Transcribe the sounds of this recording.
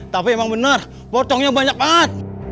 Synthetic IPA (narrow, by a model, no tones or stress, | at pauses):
t̪apiemaŋbənər | pɔt̪ɔŋɲabaɲak̚bat̪̚